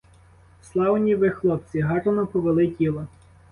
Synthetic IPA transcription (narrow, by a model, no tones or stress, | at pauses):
slˠɑwnʲiʋɪxlˠɔp̚t͡sʲiɦɑrɔnɔpɔʋelˠɪtʲilˠɔ